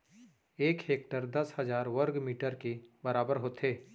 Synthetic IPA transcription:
eːkɦeːk̚ʈəɾd̪ɐshɐzaːɾʋəɾɡmiːʈəɾkebɐɾaːbəɾɦoːt̪ʰeː

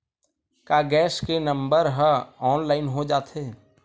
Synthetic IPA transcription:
kaːɡɛːskenə̃mbəɾɦəɔːnlaːɪnɦod͡ʒaːt̪ʰe

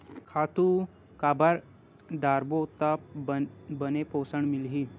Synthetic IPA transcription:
kʰaːt̪u | kaːbəɾ | ɖaːɾbot̪ap | bənepoːsəɳmilɦi

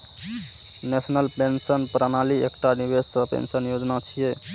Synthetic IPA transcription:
nesnəlpensənpɾanaliḛkʈanibessə̃pḛnsənjod͡ʒnat͡ʃʰije

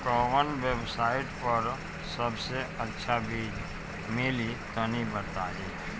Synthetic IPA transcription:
kɔːʋənʋebsaːɪʈpəɾ | sɐbseɐtːʃʰabʱi | mɪlit̪onibəɾt̪aɦɛː

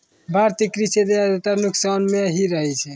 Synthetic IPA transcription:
bʱaɾt̪ikɾised̪ejad̪oʈ̪aɾnuksanmeɦiɾəɦɛt͡ʃʰɛ

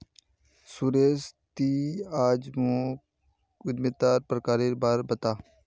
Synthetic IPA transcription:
suɾeːst̪iːaːd͡ʒmõ | ʊd̪mɪt̪aːɾpɾəkaːɾeɾbaːɾbət̪aː

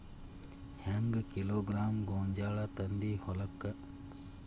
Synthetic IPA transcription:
hɐŋɡkiloːɡɾaːmɡoːɲd͡ʒaːɭɐt̪ɐnd̪ihɔlɐkːɐ

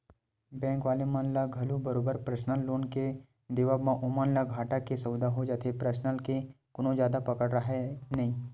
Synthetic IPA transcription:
bɛ̃ːŋkʋaːlemãːnlaɡʱɐlubəɾoːbəɾpɾəsnəlːoːnke | d̪ɪʋamãʔʊmanlaɡʱaːʈakesəwd̪ʱaɦod͡ʒaːt̪ʰepɾəsnəlke | kʊnõd͡ʒjaːd̪apɐkəɽɾəɦenɐɦĩː

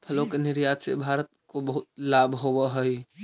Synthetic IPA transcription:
pʰəlokenɪɾjad͡ʒsḛbʱaɾət̪̚kobəɦʊt̪̚labʱɦowəɦəi

